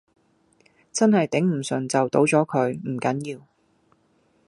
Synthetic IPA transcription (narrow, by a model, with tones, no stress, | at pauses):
t͡sɐ˥nɦɐ˨jt̪ɪ˨˥ŋm̩˨˩sɵ˨nt͡sɐ˨wt̪o˨˥wt͡sɔː˨˥kʰɵ˨˧ɥm̩˨˩kɐ˨˥njiː˧w